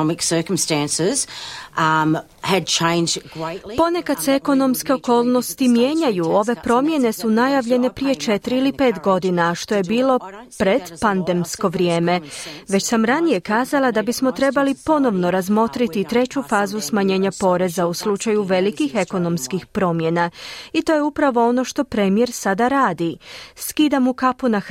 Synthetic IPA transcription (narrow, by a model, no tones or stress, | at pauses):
mɪksɜ˞kə̃m̩stæ̃nsɪz̥ | ɨd̚t͡ʃʰẽɪ̃nd͡ʒɡɹepo̞ne̞kad̪̥seeko̞no̞mske̞oko̞ːlˠno̞st̪imjeːɲajuo̞ʋe̞pɾo̞mje̞ne̞sunajaʋʎe̞ne̞pɾijet͡ʃe̞t̪ɾiilipe̞ːt̪ɡo̞d̪inaʃt̪o̞je̞biːlo̞pɾe̞d̪pand̪e̞msko̞ʋɾjeːme̞ʋe̞t͡ɕsamɾanije̞kaːzalˠad̪abismo̞t̪ɾe̞balipo̞no̞ʋno̞ɾazmo̞t̪ɾit̪it̪ɾe̞t͡ɕufaːzusmaɲe̞ːɲapo̞ɾe̞zauslˠut͡ʃajuʋe̞likixe̞ko̞no̞mskixpɾo̞mje̞nait̪o̞ːjeupɾaʋo̞o̞no̞ʃt̪o̞pɾemije̞ɾsad̪aɾaːd̪iskid̪amukapuna